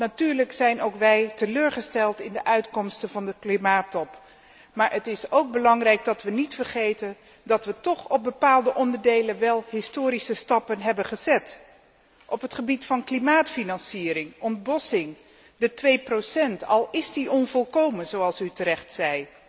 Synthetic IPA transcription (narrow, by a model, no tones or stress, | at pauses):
natyːɹləksɛjnowkʋɛjtəløːɹχəstɛlˠtɪndəʔœɥtkɔmstənvɑndəklimaːtɔp | maːɹʔətɪsowk̚bəlɑŋrɛjɡ̚dɑtʋənitfəɹχejtən | dɑtʋətɔχɔb̚bəpaːlˠdəʔɔndəɹdejlənʋɛlˠɦɪstoːɾisəstɑpənɦɛbənχəzɛt | ʔɔpətχəbitfɑnklimaːtfinɑnsiːɾɪŋɔnd̚bɔsɪŋ | dətʋejprosɛntɑ̰lˠɪsdiʔɔnvɔlˠkowmənzowɑlˠsytəɾɛχtsɛj